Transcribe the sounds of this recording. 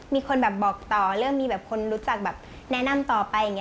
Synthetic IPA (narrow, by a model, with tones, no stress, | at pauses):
miː˧kʰo˧nbɛː˨˩p̚bɔː˨˩k̚t̪ɔː˨˩ɾɯ˥˩əŋmiː˧bɛː˨˩p̚kʰo˧nɾuː˦˥t͡ɕa˨˩k̚bɛː˨˩p̚ | nɛ˦˥na˧˨mt̪ɔː˨˩pa˧ja˨˩ŋːi˦